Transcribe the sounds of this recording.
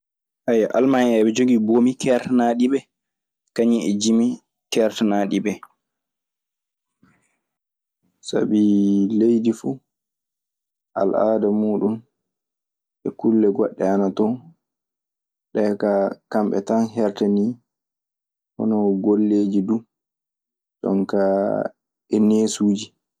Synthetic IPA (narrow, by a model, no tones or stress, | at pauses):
ʔajaʔalmaɛnɛɓɛd͡ʒoɡiboːmikʰɛɾtanaɗiɓɛ | kaɲiɛd͡ʒimi | kɛɾtanaɗibɛ | sa̰bilejdifu | ʔa̰lʔaːdamuːɗum | ʔɛkulːɛɡɔɗːɛ̰anatɔ | ɗɛkakamɓɛ̰tanɦɛɾtani | hɔ̰nɔɡolːeːd͡ʒidu | ɗɔ̰ŋka | ɛneːsuːd͡ʒi